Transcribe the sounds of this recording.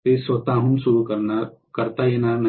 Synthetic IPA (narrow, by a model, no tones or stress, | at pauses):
esot̪aɦũnsuɾukɐɾna | kɐɾt̪ajenanɐ